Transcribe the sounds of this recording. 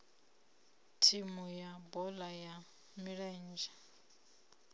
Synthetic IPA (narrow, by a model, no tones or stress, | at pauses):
tʰimujabɔlaja | miɺɛnd͡ʒa